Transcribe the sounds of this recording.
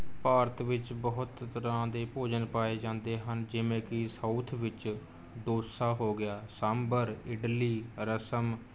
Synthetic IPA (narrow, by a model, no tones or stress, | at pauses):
paːɾət̪ʰʋɪt͡ʃbəɦʊt̪t̪əɾãːd̪eːpoːd͡ʒənpaːeːd͡ʒãːnd̪eːɦənd͡ʒɪʋẽːkɪsaut̪ʰʋɪt͡ʃ | d̪oːsaːɦoːɡɪjaːsambəɾɪɖliːɾəsəm